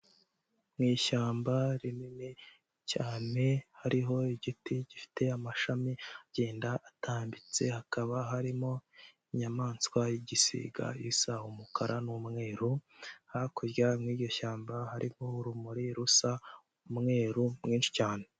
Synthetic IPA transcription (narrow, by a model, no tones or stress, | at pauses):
mŋiːʃaːmbaɾinini | caːne̞haɾiɦo̞iɟitiɟifi̥te̞amaʃamiaɟ̥eːndaʔatʰaːmbit͡se̞hakaβaɦaɾimo̞iɲamaːnskwajiɟisḭɡa̰jisaumukʰaɾʔanumŋe̞ːɾuhakuɾjamŋiːɟo̞ʃaːmbahaɾʔihouɾumuɾiɾusa | mŋe̞ːɾumŋiːnʃi̥caːne